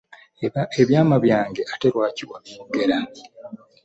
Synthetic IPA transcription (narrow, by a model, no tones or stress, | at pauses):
eβjaːmaβjaːŋɡe̞ʔateɾwaːciwamiɡe̞ɾa